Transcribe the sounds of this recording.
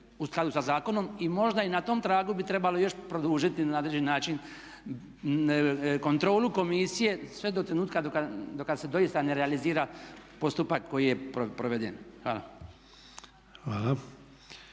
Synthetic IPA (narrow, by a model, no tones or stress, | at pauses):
usklˠad̪usazaːko̞no̞mimo̞ʒd̪ainat̪o̞ːmt̪ɾaːɡubit̪ɾe̞balo̞jo̞ʃpɾo̞d̪uːʒit̪innaod̪led͡ʒenaːt͡ʃin | ko̞nt̪ɾo̞ːluko̞misije̞sʋe̞d̪o̞t̪ɾe̞nuːt̪kad̪okad̪okad̪se̞d̪o̞ist̪ane̞ɾealiziːɾapo̞st̪upakːo̞jije̞popɾoʋed̪ḛnxʋa̰ːla̰ | xʋaːla